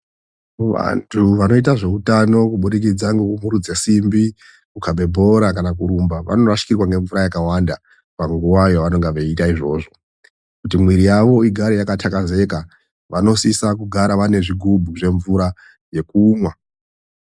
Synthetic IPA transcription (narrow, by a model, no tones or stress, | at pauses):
ʋa̰ntʰuʋano̞itaʐe̞utano̞kuɓuɗik̬id͡zaŋɡekumuɾud͡zesimbi | kukʰaɓʱe̞bʱo̞ɾakanakuɾumbaʋa̰no̞raʃi̥kirwaŋɡe̞ɱvuɾajakawanda | paŋɡuwajoʋano̞ŋɡeʋeitaiʐo̞ːʐo̞ | kutimwiɾijaʋo̞iɡʱaɾejakatʰakaze̞ka | ʋano̞sisakuɡʱaɾaʋane̞ʐiɡʱubʱuʐe̞ɱvuɾa | je̞kuːmwa